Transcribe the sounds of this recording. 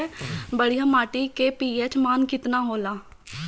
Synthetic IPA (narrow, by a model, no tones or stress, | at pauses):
bəɽijaːmaːʈiːkeːpiːɛːt͡ʃmaːnkɪt̪naːɦoːlaː